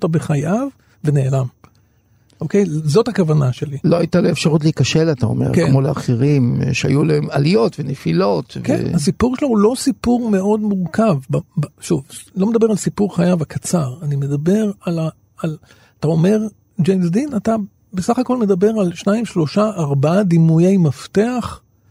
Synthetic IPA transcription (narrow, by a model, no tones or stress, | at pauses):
tabeχajav | ve̞ne̞ːlam | ʔo̞ke̞jzo̞thakavanaʃe̞liloajitaloefʃaʁutleikaʃelatao̰mḛʁkekmo̞lea̰χiʁimʃea̰julaemalijo̞tvenefilo̞tvkḛnasipuʁʃeloulo̞sipuʁme̞o̞dmuʁkavbabʃuvlo̞med̪abe̞ʁalsipuʁχajavakat͡saʁanime̞d̪abe̞ʁalaː | l | at̪ao̞me̞ʁ | d͡ʒejmsd̪inata | besaχako̞lmed̪abe̞ʁalʃnaimʃlo̞ʃaʔːʁbadimujejmafteaχ